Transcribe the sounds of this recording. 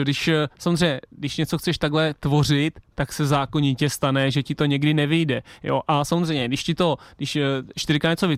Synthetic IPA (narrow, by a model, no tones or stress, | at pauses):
dɪʃsamozrɛjɲɛdɪʃɲɛt͡soxt͡sɛʃt̪aɡlɛt̪vo̞rɪt̪ːaksɛzaːkoɲɪcɛst̪anɛʒɛcɪt̪o̞ɲɛɡdɪnɛvɪjdɛjo̰ʔasamozrɛjɲɛdɪʃcɪt̪o̞dɪʃʃt̪ɪɾɪkaɲɛt͡sovɪ